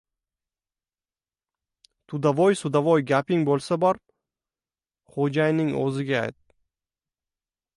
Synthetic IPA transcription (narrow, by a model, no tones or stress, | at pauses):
t̪ʰʊd̪avɔjsʊd̪avɒjɡʲapɪŋbolˠsabɒɾ | χod͡ʒajnɪŋo̰zɪɡʲaa̰jt̪̚